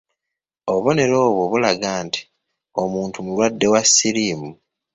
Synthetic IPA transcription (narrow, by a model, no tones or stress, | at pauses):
oβo̞ne̞ɾo̞ːβoβulaɡaːntʰi̥ | o̞muːntumulwadːe̞wasːiɾiːmu